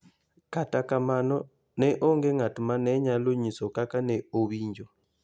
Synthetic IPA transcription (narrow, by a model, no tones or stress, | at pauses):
katakamanɔ | nɛʔɔŋɡɛŋatumanɛɲaloɲisɔkakanɛoβiɲd͡ʒɔ